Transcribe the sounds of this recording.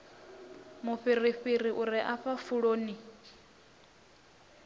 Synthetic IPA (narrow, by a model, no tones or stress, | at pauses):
muɸiɾiɸiɾiʔuɾiʔaɸafuɺoːni